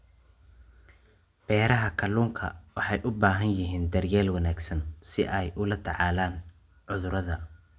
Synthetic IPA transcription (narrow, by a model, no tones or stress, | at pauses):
b̥ɛːɾɐɦɐkʰɐluːŋkʰɐ̰wɑħɑjʔʊbaːɦɐnjɪɦiːnd̪ɐrjaːlwɐnaːɡsɐnsɪʔɛjʔʊlɐt̪ʰɑʕɑːlaːn | ʕʊðʊɾɐðɐ